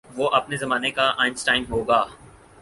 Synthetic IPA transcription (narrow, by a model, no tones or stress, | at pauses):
ʋoːʔɐpnezɐmaːnekaʔãːɪ̃nsʈaːɪnɦoːɡaː